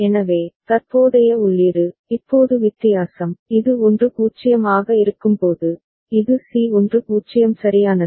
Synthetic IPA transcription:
ɛnɐʋeːt̪ɐɾpoːðɐjɐʊɭːiːɾɯɪpːoːðɯʋɪt̪ːɪjaːsɐmɪðɯɔndrɯkuːt͡ʃːɪjɐmaːɣɐɪɾɯkːɯmpoːðɯ | ɪðɯsiːɔndrɯkuːt͡ʃːɪjɐmsɐɾɪjaːnɐðɯ

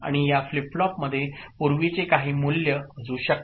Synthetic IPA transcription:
a̰ɽ̃ijafliplɔpməd̪ʱːjepuɾʋit͡sekaɦiːmulːjəɦəd͡zuːɕək̚

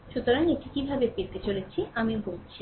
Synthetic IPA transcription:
ʃut̪oɾaŋeʈikibʱabepeɾt̪et͡ɕolet͡ɕʰiamibolt͡ɕʰi

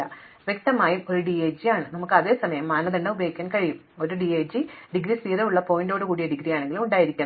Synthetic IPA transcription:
ɐʋjek̚t̪ɐmaːjumo̞ɾuɖieːd͡ʑijaːɳɨnɐmukːɨɐðe̞ːsɐmɐjɐmːaːnɐðɐɳɖɐubɐjːɣikʲːaːnkɐɻijum | o̞ɾuɖieːd͡ʑiɖiɡɾisiːɾɐuɭːɐpo̞ːjindo̞ːɽɨkuːɽijeɖiɡɾijaːɳe̞ŋɡilmuɳɖaːjiɾikʲːɐɳɐ

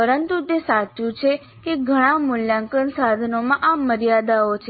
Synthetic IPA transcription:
pəɾənt̪ut̪esat͡ʃũt͡ʃʰe | keɡʱəɽ̃ãmuljãŋkənsad̪ʱənomãʔaməɾijad̪aot͡ʃʰe

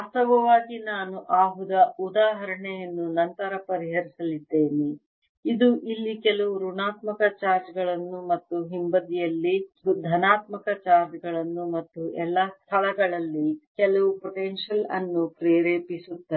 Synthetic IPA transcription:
ɐsɐʋɐʋaːɡinaːnuʔaːɦud̪ɐud̪aːɦɐɾɐɳɛjɐnːunɐnt̪ɐɾɐpɐɾiɦɐɾisɐlid̪ːe̞ːne | id̪uʔilːikɛlɐʋuɾuɳaːt̪mɐkɐt͡ʃaːɾd͡ʒɡɐɭɐnːumɐt̪ːuɦimbɐd̪ijɐlːid̪ʱɐnaːt̪mɐkɐt͡ʃaːɾd͡ʒɡɐɭɐnːumɐt̪ːuʔɛlːɐst̪ʰɐlɐɡɐɭɐlːikɛlɐʋupɔʈenʃɐlɐ̰nːupɾeːɾeːpisut̪ːɐ

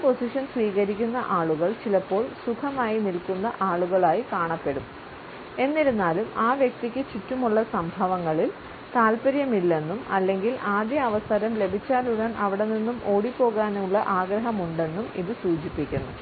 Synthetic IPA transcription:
ipo̞siʂɐnsʋiːɣɐɾikʲːunːɐʔaːɭuɣɐɭt͡ɕilɐpːo̞ːɭsukʰɐmaːjinilkunːɐʔaːɭuɣɐɭaːjikaːɳɐpːe̞ɽum | e̞nːiɾunːaːlumaːʋjɐk̚t̪ikʲːɨt͡ɕitːumuɭːɐsɐmbʱɐʋɐŋːɐɭil | t̪aːlpɐɾjɐmilːe̞nːumɐlːe̞ŋɡilʔaːd̪jɐːʋɐst̪ʰɐɾɐmle̞bʱit͡ɕːaːluɽɐnʔɐʋiɽe̞nːinːumʔo̞ːɽipːo̞ːɣaːnuɭːɐʔaːɡɾɐɦɐmuɳɖe̞nːumḭðɨsuːt͡ɕipːikʲːunːṵ

